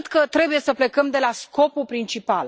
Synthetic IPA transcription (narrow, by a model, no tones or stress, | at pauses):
t̪kət̪ɾe̞buje̞səple̞kəmd̪e̞lasko̞pupɾint͡ʃipal